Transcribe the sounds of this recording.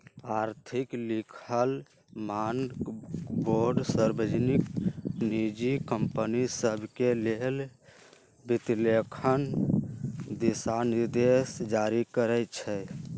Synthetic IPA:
aɾt̪ʰiklikʰəl | man | boɾɖsəɾbəd͡ʒniknid͡ʒikəmpənisəbʱkelel | bit̪lekʰən | d̪isaniɾd̪esd͡ʒaɾikəɾɛt͡ʃʰɛ

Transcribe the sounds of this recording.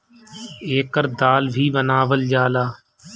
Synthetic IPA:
eːkəɾd̪aːlbʱiːʋənaːʋəld͡ʒaːlaː

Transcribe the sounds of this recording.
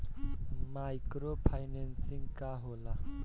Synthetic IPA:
majkɾopʰajnensiŋɡkaɦola

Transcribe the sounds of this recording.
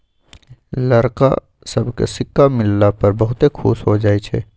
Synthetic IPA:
lɐɾka̰ | sɐbkḛsɪkːamɪlːapɐɾbɐɦʊt̪ekʰṵːsɦod͡ʒaːit͡ʃʰɛ̰ː

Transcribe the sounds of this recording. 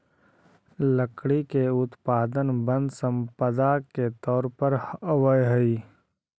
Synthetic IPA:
ləkɽikeʊt̪paːd̪ənbə̃nd̪sə̃mpəd̪aket̪ɔːɾpəɾəwəjɦəiː

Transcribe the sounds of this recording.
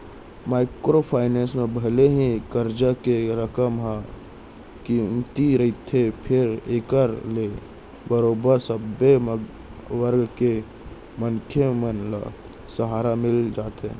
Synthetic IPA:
maːɪkɾopʰaːɪnẽːnsmẽbʱəleɦikəɾd͡ʒakeɾəkəmɦã | kimt̪iɾəit̪ʰepʰɪɾeːkəɾle | bəɾoːbəɾsəbe | ʋəɾɡke | məŋkʰemənla̰ | səɦaːɾamɪld͡ʒaːt̪ɦẽ

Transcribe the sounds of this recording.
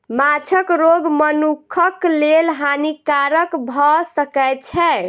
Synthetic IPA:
mat͡ʃʰəkɾoɡmənukʰəklelɦanikaɾəkbʱɔsəkɛt͡ʃʰɛ

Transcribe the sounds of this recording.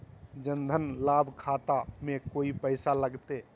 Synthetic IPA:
d͡ʒə̃nd̪ʱənlaːbʱkʰaːt̪amẽkoːipəɪsaləɡt̪eː

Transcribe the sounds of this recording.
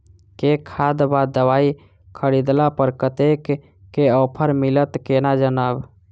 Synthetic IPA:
kekʰad̪bad̪əwaːi | kʰəɾid̪lapəɾkət̪ekː | eɔpʰəɾmilət̪kenad͡ʒənaːb

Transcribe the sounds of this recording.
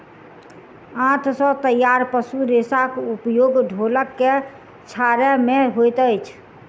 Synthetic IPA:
ãt̪ʰsɔ̃t̪əjaɾpəsuɾesakupjoɡɖʱoləkːe | t͡ʃʰaɾɛmeɦojt̪əjt͡ʃʰ

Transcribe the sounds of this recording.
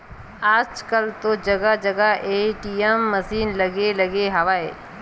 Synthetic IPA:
aːd͡ʒkəlt̪od͡ʒɐɡad͡ʒɐɡaʔeːʈiemːɐsiːnlɐɡelɐɡeɦɐʋaːḛː

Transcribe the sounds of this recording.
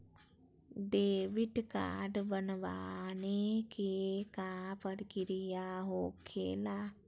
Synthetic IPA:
ɖeːʋɪʈka̰ːɖbənʋanekekapəɽkɪɾijaɦoːkʰeːlaː

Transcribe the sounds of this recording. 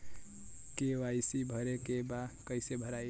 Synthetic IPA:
keʋajsibʱʌɾekebakʌɪsebʱəɾaj

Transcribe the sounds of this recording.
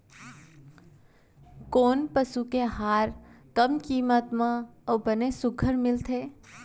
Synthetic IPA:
koːnpəsukeɦaːɾkəmkiːmət̪mãəːbənesʊkʰəɾmɪlt̪ʰeː

